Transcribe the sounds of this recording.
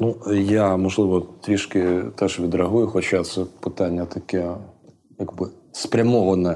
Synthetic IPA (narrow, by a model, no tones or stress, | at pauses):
nujamɔʒlˠɪʋɔt̪ɾʲiʃkɪt̪ɛʒʋʲid̪ɾɐɦujʊxɔt͡ʃat̪sɛpɪt̪ɑnʲːɐt̪ɐkɛ | jɐɡbɪ | spɾʲɐmɔɦɔnɛ